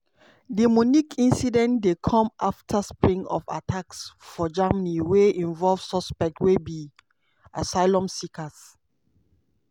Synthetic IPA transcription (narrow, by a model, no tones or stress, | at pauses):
dimɔnikʰĩnsidɛ̃ntdekʰɔ̃mʔaftʰaspɹĩŋɔ̰fa̰tʰaksfɔd͡ʒamniweĩnvɔlvsɔspɛk̚twebi | a̰saɪlɔ̃msikas